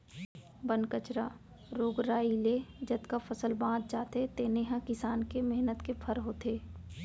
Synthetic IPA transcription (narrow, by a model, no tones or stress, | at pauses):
bənkət͡ʃɾaː | ɾoːɡɾaːileːd͡ʒɐd̪kafʰɐsəlbãːd̪̚d͡ʒaːt̪et̪eːneɦãkɪsaːnkemɛɦnət̪kepʰɐɾɦoːt̪eː